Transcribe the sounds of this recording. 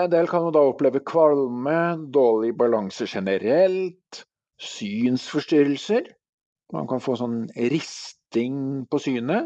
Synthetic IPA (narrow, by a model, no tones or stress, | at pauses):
ɛnd̪eːlkʰɑnmɑnd̪ɑːɔpːleːʋəkʰʋɑlməd̪oːɭɪbɑlɑŋsəʂɛnəɾɛlt̪ | syːnsfɔʂʈʏɾəlsəɾ | mɑ̰nkʰɑnfoːsɔnːɾɪst̪ɪŋpɔsyːnə